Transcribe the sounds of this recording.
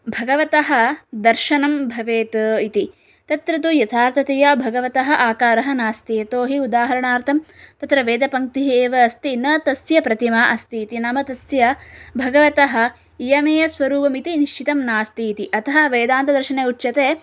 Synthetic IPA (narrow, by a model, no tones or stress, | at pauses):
bʱɐɡɐʋɐt̪ɐɦɐ̆d̪ɐɾʃɐnɐmbʱɐʋeːt̪ɐit̪i | t̪ɐt̪ɾɐt̪ujɐt̪ʰaːɾt̪ʰɐt̪eːjaːbʱɐɡɐʋɐt̪ɐɦɐ̆ʔaːkaːɾɐɦɐnaːst̪ijɐt̪oːɦiud̪aːɦɐɾɐɳaːɾt̪ʰɐmt̪ɐt̪ɾɐʋeːd̪ɐpɐŋk̚t̪iɦieːʋɐːst̪inɐt̪ɐsjɐpɾɐt̪imɐʔɐst̪iːt̪inɐmɐt̪ɐsjɐbʱɐɡɐʋɐt̪ɐɦɐ̆ | ijɐmeːjɐsʋɐɾuːpɐmit̪iniʃt͡ʃit̪ɐmnaːst̪iːt̪iʔɐt̪ʰɐɦɐʋeːd̪aːnt̪ɐd̪ɐɾʃɐneːuʈːʃɐt̪eː